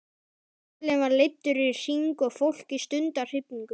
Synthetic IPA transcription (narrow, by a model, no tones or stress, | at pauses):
lɛnvaɾlejt̪ːʏɾɪɾɪ̥r̥iŋkɔɣfowl̥kist̪ʏnt̪ar̥ɪpniŋkʏ